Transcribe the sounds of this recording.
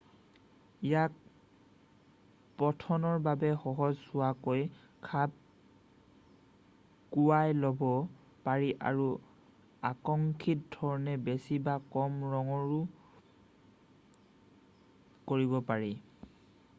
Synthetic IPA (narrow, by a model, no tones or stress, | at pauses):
ijak̚ | pɔtʰɔnɔɹbabɛxɔɦɔzsʊwakoj | kʰap̚ | kuwajlɔbɔ | paɹiʔa̰ɹu | akɔŋkʰit̚dʱɔɹɔnɛbesibakɔmɹɔŋɔɹu | koɹibɔpaɹi